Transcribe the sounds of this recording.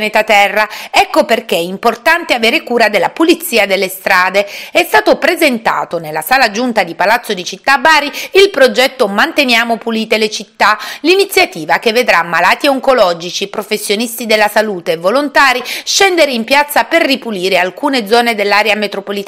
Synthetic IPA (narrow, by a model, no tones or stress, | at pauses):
net̪at̪ɛrːaɛkːoperkeimport̪ant̪eaveːɾekuːɾad̪elːapulit̪sːiːad̪elːest̪ɾaːd̪eɛst̪aːt̪opɾezent̪a̰ːt̪onelːasaːlad͡ʒunt̪ad̪ipalat̪sːod̪it͡ʃit̪ːabaːɾiilpɾod͡ʒɛt̪ːomant̪enjaːmopuliːt̪elet͡ʃit̪ːalinit̪sːjat̪iːvakevːed̪ɾamːalaːt̪ioŋkolɔːd͡ʒit͡ʃipɾofesːjonist̪id̪elːasaluːt̪eːvːolont̪aːɾiʃɛnd̪eɾeimpjat̪sːaperːipuliːɾealkuːned̪zɔːned̪elːaɾjamet̪ɾopolit̪a